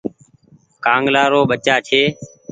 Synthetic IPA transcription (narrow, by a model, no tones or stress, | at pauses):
kãːŋɡlaːɾoːɓət͡ʃaːt͡ʃʰeː